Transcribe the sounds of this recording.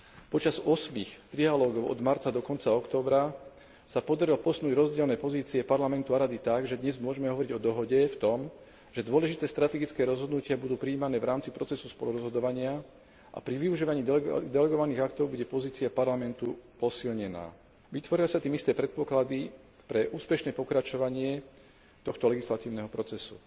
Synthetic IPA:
pɔt͡ʃazɔsmixt̪ɾialɔːɡɔʊʔɔ̰d̪maɾt͡sad̪ɔkɔnt͡saɔkt̪ɔːbɾa | sapɔd̪aɾilpɔsnuːɟɾɔzɟɪɛlnɛːpɔziːt͡siɛpaɾlamɛnt̪uaɾad̪it̪aɡʒɛd̪ɲɛzmʊɔʒɛmɛɦɔʋɔɾiɟɔd̪ɔɦɔɟɛft̪ɔm | ʒ̥ɛd̪ʊɔlɛʒit̪ɛːst̪ɾat̪ɛɡit͡skɛːɾɔzɦɔd̪nucɪabud̪uːpɾiːmanɛːʋɾaːmt͡sipɾɔt͡sɛsuspɔluɾɔzɦɔd̪ɔʋaɲɪa | ʔa̰pɾiʋiuʒiːʋaɲiːd̪ɛlɛɡɔʋaniːɣakt̪ɔʊbuɟɛpɔziːt͡siapaɾlamɛnt̪upɔsilɲɛna̰ː | ʋit̪ʋɔɾilsat̪iːmist̪ɛːpɾɛt̪̚pɔklad̪i | pɾɛʔuːspɛʃnɛːpɔkɾat͡ʃɔʋaɲɪɛ | t̪ɔxt̪ɔlɛɡislat̪iːʊnɛɦɔpɾɔt͡sɛsṵ

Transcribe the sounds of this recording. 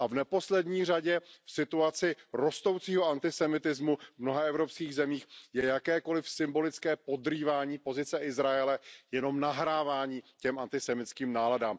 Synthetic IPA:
ʔavnɛpo̞slɛdɲiːr̝aɟɛfsɪt̪uat͡sɪɾo̞st̪o̞wt͡siːɦo̞ant̪ɪsɛmɪt̪ɪzmuvmno̞ɦaɛvɾo̞pskiːɣzɛmiːxjɛjakɛːko̞lɪfsɪmbo̞lɪt͡skɛːpo̞d̪riːvaːɲiːpo̞zɪt͡sɛɪzɾajɛlɛjɛno̞mnaɦɾaːvaːɲiːcɛmʔant̪ɪsɛmɪt̪t͡skiːmnaːladaːm

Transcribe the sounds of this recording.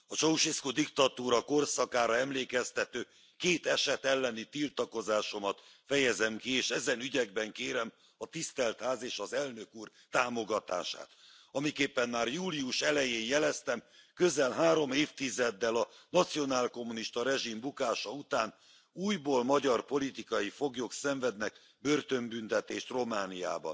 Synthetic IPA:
ɒt͡ʃowʃiskod̪ikt̪ɒt̪uːɾɒko̞rsɒkaːɾɒɛmleːkɛst̪ɛt̪øː | keːt̪ɛʃɛt̪ɛlːɛnit̪ilt̪ɒko̞zaːʃo̞mɒt̪fɛjɛzɛmkieːʃɛzɛnyɟɛɡ̚bɛŋkeːɾɛm | ɒt̪ist̪ɛlt̪haːzeːʃɒzɛlnø̞kuːr | t̪aːmo̞ɡɒt̪a̰ːʃa̰ːt̪ | ɒmikeːpːɛnmaːrjuːliuʃɛlɛjeːnjɛlɛst̪ɛmkø̞zɛlɦaːɾo̞meːft̪izɛd̪ːɛlɒnɒt̪sijo̞naːlko̞mːuniʃt̪ɒɾɛʒimbukaːʃɒut̪aːn | uːjboːlmɒɟɒrpo̞lit̪ikɒjifo̞ɡjo̞ksɛɱvɛd̪nɛk | bø̞rt̪ø̞mbynt̪ɛt̪eːʃt̪ro̞maːnija̰ːbɒ̰n

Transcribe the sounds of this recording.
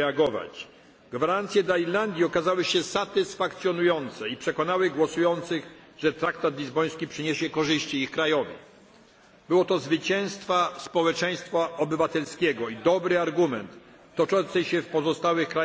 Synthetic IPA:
aɡɔva̰t͡ɕ | ɡvaɾant̪sʲjɛd̪laiɾland̪ʲjiɔkazawɘɕɛsat̪ɘsfakt̪sʲjɔnujɔnt̪sɛipʂɛkɔnawɘɡwɔsujɔnt̪sɘɣʐ̥ɛt̪ɾak̚t̪at̪lʲizbɔj̃skʲipʂɘɲeɕɛkɔʐɘɕt͡ɕiixkɾajɔvʲjɛ̰ | b̥ɘwɔt̪ɔzvɘt͡ɕɛ̃w̃st̪faspɔwɛt͡ʂɛj̃st̪faɔbɘvat̪ɛlskʲɛɡɔid̪ɔbɾɘaɾɡumɛ̰nt̪ː | ɔt͡ʂɔ̃nt̪sɛɕɛfpɔzɔst̪awɘxkɾa

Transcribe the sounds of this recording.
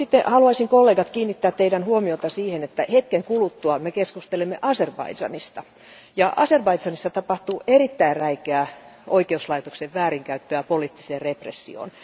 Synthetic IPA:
sit̪ːehɑluɑisiŋkolːeːɡɑt̪kiːnːit̪ːæːt̪t̪eidænhuomiot̪ɑsiːhenet̪ːæhet̪keŋkulut̪ːuɑmekeskust̪elemːeʔɑserbɑ̰idd͡ʒɑ̰nist̪ɑ | jɑʔɑ̰serbɑisɑnisːɑt̪ɑpɑht̪uʔerit̪ːæirræikeæˑoikeuslɑit̪okseʋʋæːɾiŋkæyt̪ːøæpoliːˑt̪ːi̥seːrreprḛsːḭo̰n

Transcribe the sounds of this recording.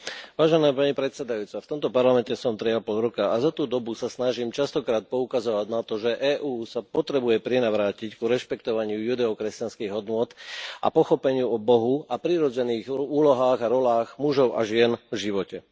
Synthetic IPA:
ʋaːʒɛnaːpaɲipɾɛt̪sɛd̪ajuːt͡saft̪ɔmt̪ɔpaɾlamɛncɛsɔmt̪ɾiapɔlɾɔkaazat̪uːd̪ɔbusasnaʒiːmt͡ʃast̪ɔkɾaːt̪̚pɔukazɔʋaɟnat̪ɔʒɛʔɛːʔuːsapɔt̪ɾɛbujɛpɾɛnaʋɾaːcickuɾɛʃpɛkt̪ɔʋaɲɪujud̪ɛɔkɾɛscanskiːɣɦɔd̪nʊɔt̪ʔa̰pɔxɔpɛɲɪuɔbɔɦuapɾiɾɔd͡zɛniːɣuːlɔɦaːɣaɾɔlaːɣmuʒɔʊʔa̰ʒɪɛnvʒiʋɔcɛ

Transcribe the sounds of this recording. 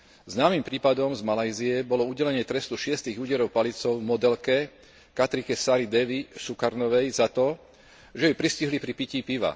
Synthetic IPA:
znaːmimpɾiːpad̪ɔmzmalajziɛbɔlɔuɟɛlɛɲɪɛt̪ɾɛst̪uʃɪɛst̪iːɣuɟɛɾɔʊpalit͡sɔʊvmɔd̪ɛlkɛ | kat̪ɾikɛsaɾid̪ɛʋisukaɾnɔʋɛjzat̪ɔ | ʒɛjupɾisciɦlipɾipicipiʋa̰

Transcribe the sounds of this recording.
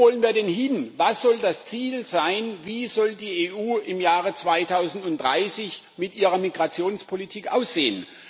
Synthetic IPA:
ɔlənviːɐdɛnhɪnvasz̥ɔldast͡siːlzaɪnviːzɔldiːeːʔuːɪmjaːʁət͡sv̥aɪtʰaʊzn̩tʊnt̚d̥ʁa̰ɪsɪç | mɪtʔiːʁɐmiɡʁat͡sjoːnspʰolitʰiːkʔa̰ʊsz̥eːən

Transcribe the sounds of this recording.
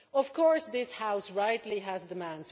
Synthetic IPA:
ʌv̥kʰɔɹsðɪshaʊsɹaɪtˡliɦæzdɨmæ̃ndz

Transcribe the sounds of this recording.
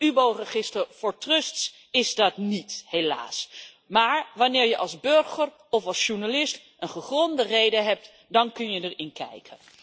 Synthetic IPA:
ybowrəχɪstəɹv̥ʊːɹtrɵsts | ɪzdɑtnithela̰ːs | maːɹʋɑnɪːɹjəʔɑlˠzbøɹχəɹ | ɔfɑlˠsʃuɹnalɪst | ʔənχəχrɔndərejdəɦɛp̚t | dɑnkɵnjədəɹɪnkɛ̰jkʰən

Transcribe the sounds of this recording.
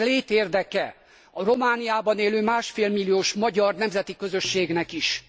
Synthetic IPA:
leːt̪eːrd̪ɛkɛ | ɒro̞maːnijaːbɒneːløːmaːʃfeːlmilːijoːʃmɒɟɒrnɛmzɛt̪ikø̞zø̞ʃːeːɡnɛkiʃ

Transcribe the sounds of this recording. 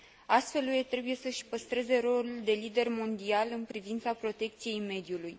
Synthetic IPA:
ast̪fe̞lujet̪ɾe̞buje̞səʃpəst̪ɾe̞ze̞ɾo̞luld̪e̞lid̪e̞rmo̞nd̪ialɨnpɾivint̪sapɾo̞t̪e̞k̚t̪sije̞jme̞d̪juluj

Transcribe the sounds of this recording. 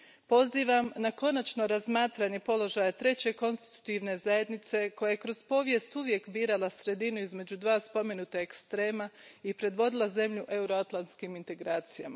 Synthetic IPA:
po̞ziːʋamnako̞nat͡ʃno̞ɾazmaːt̪ɾaɲe̞po̞lˠo̞ʒajet̪ɾe̞t͡ɕe̞ko̞nst̪i̥t̪u̥t̪iʋne̞zaje̞d̪nit̪se̞ko̞jajekɾo̞z̥po̞ːʋje̞st̪uʋje̞kbiːɾalˠasɾe̞d̪inuizme̞d͡ʑud̪ʋaːspo̞me̞nut̪aekst̪ɾeːmaipɾe̞d̪ʋo̞d̪ilˠaze̞mʎuʔe̞uɾoat̪lˠant̪skimint̪e̞ɡɾaːt̪sija̰ma

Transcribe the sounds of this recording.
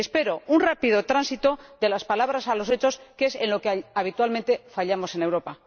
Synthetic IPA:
espe̞ɾo̞unrapið̞o̞t̪ɾansit̪o̞d̪e̞laspalaβɾasalo̞se̞t͡ʃo̞ske̞se̞nlo̞keaβ̞it̪walmẽ̞nt̪e̞faʎamo̞se̞newɾo̞pa

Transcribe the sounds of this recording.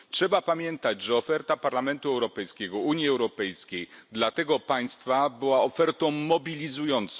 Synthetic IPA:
tʂɛbapamʲjɛnt̪ad͡ʑʐɛɔfɛɾt̪apaɾlamɛnt̪uɛwɾɔpɛjskʲɛɡɔuɲjiɛwɾɔpɛjskʲejd̪lat̪ɛɡɔpaj̃st̪fabɘwaɔfɛɾt̪ɔ̃w̃mɔbʲilʲizujɔnt̪s

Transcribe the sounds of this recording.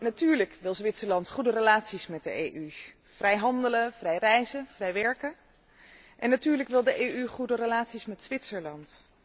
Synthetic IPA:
natyːɹləkʋɪlˠzʋɪtsəɹlɑntχudərəlaːtsismɛt̚də̰ejʔy | v̥rɛjɦɑndələv̥rɛjrɛjzəvrɛjʋɛɹkə | ʔɛnːatyːɹləkʋɪlˠdəʔejyχudərəlaːtsismɛtzʋɪtsəɹlɑnt

